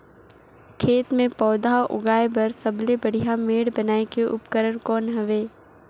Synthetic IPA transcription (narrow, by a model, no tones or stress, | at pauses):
kʰeːt̪mẽpɔːd̪aʔʊ̰ɡaːebɐɾsəblebɐɽ̤ijameːɽbənaːekeʔʊ̰pkəɾəɽkɔːnɦɐʋeː